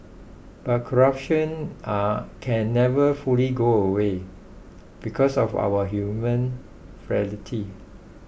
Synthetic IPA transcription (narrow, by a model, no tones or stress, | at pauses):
b̥at̚kʰɔɹap̚ʃɔ̃nakʰɛ̃nːɛvəfuliɡoəwe | b̥ikʰɔsɔfa̰wəɦjumə̃n | fɹɛlitʰi